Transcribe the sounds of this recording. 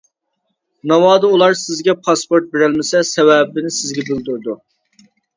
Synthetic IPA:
nɑwɑːd̪ɨulˠɑɾsɪzɡʲɛpʰɑspoɾt̪̚beɾɛlmɪsɛsɛwɛbɪnɪsɪzɡʲɛbyld̪yɾd̪u

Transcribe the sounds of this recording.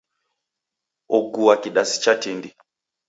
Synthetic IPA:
ɔɡuakiɗasi̥t͡ʃatindi

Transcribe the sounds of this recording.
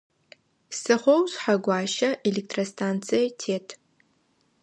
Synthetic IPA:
sɨχʷowzħaɡʷaːʃɐʔelʲek̚tʰrostʰant͡sʰijatʰeːtʰ

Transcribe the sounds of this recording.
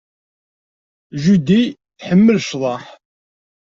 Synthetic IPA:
ʒud̪iθħəmːəlʃðˤɑħ

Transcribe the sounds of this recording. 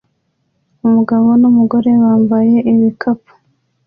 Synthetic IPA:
umuɡaβo̞numuɡo̞ɾe̞waːmbaje̞ʔiβikʰapu̥

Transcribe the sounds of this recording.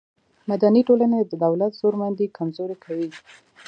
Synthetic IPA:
mad̪aniʈolaned̪əd̪awlat̪z̥oɾmand̪ikʰamzoɾekʰawi

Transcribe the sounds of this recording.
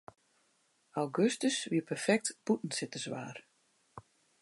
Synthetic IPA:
awɡøstəsʋiəpʰərfɛk̚tb̥utn̩sɪtəsʋa̰ːr

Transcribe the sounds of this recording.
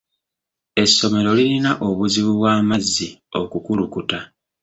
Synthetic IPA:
e̞sːo̞me̞ɾo̞lilinaʔo̞βuziβuβwaːmazːio̞kukulukuta

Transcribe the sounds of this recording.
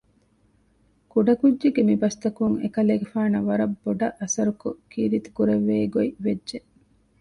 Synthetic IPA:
kuɖɐkudːeɡemibɐst̪ɐkuŋḛkɐleːɡefaːnɐʋɐɾɐbːoɖɐʔɐsɐɾukukiːɾit̪u̥kuɾeʋːeːɡoiʋedʒe

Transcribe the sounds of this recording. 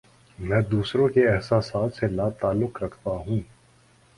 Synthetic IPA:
mɛ̃ːd̪uːsɾõkeɛɦsaːsaːt̪selaːt̪aːlːʊqɾɐkʰt̪aɦũː

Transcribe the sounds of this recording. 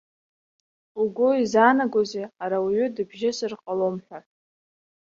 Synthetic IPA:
uɡʷʊizanaɡʷozeaɾawiɥʏdɨbʒɪsɨrqʼalomħʷᶣa

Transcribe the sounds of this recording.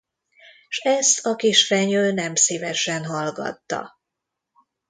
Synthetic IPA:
ʃɛst̪ʰɒkiʃfɛɲøːnɛmsiːvɛʃɛnɦɒlɡɒ̰t̪ːɒ̰

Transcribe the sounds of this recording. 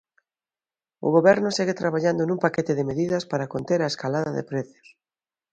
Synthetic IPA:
ʊ̰ɣoβɛɾnʊseɣet̪ɾaβaʎand̪onũmpaket̪ɪðɪmeðiðɐspaɾakont̪eɾaeskalaðɐðɪ̰pɾeθjo̥s

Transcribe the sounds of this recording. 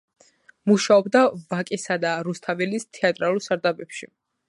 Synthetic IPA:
muʃaɔbd̪avakʼisad̪aɾust̪ʰavɛlist̪ʰɛat̪ʼɾalˠuɾˠsaɾd̪abɛpʃi

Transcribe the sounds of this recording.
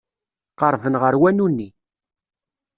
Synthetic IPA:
qəɾˤvənʁəɾwænunːi

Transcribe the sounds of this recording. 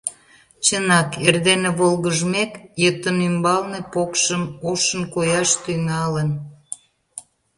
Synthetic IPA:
t͡ɕənɑkerd̪eneβolɣəʒmekjət̪ənymbɑlnepokʃəmoʃənkojɑʃt̪yŋɑlən

